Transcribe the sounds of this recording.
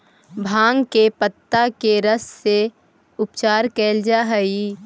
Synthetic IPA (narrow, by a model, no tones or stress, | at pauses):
bʱãːŋɡkepət̪ːakeɾəsːe | ʊpt͡ʃaːɾkɛːld͡ʒaɦəi